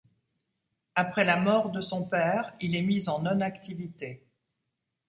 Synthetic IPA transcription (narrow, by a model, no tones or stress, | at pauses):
apχɛlamɔʁd̪əsɔ̃pɛːʁilɛmizɑ̃nɔnakt̪ivit̪e